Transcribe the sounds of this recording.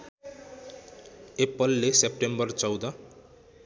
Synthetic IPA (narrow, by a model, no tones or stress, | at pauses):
epːʌlːesep̚ʈembʌrt͡sʌwd̪ʌ